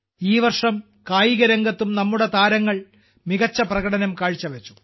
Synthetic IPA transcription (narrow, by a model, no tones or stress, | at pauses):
iːʋɐrʂɐm | kaːjiɣɐɾɐŋɡɐt̪ːumnɐmːuɽe̞t̪aːɾɐŋːɐɭ | miɣɐt͡ɕːɐprɐɣɐɽɐnɐmkaːɻt͡ɕːɐʋet͡ɕːu̥